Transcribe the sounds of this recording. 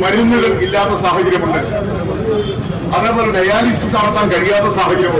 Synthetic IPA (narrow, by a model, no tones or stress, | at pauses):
mɐninːuɣɐɭilːaːt̪ːɐsaːɦɐd͡ʑɐɾjɐmuɳːɐɾ | ɐðeːpoːleɖɐjaːlisɨst̪aːnɐt̪ːaːnkɐɻijaːt̪ːɐsaːɦɐd͡ʑɐɾjɐmu